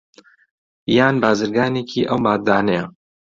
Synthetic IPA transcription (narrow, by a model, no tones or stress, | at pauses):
jaːnbaːzɨɾɡaːneːkʰiːʔɐwmaːt̪̚d̪aːnɐjɐ